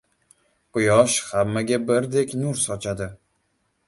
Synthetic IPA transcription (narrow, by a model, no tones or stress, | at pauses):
qʊjɒʃhamːaɡʲabɪɾd̪ekʲnʊɾsɒt͡ʃʰad̪ɪ